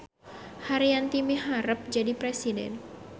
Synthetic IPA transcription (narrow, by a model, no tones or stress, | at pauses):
haɾiant̪imiɦaɾəp̚d͡ʒadipɾɛsidɛ̰n